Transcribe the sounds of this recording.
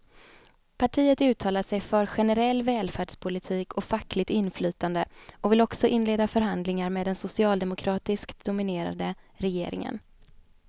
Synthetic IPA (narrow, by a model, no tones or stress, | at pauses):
pʰaʈʰiːət̪ʉ̟ːt̪ʰɑːlaʂɛjfœɾɧɛnɛɾɛlːvɛːlfæːɖʂpʰʊlɪt̪ʰiːkʰɔfakːlɪt̪ɪnːflyːt̪and̪əʔɔvɪlɔksɔʔɪnːleːd̪afœɾɦand̪lɪŋaɾmeːd̪ɛnsʊsɪɑːld̪ɛmʊkʰɾɑːt̪ɪskt̪d̪ʊmɪneːɾa̰d̪əɾɛjeːɾɪ̰ŋə̰n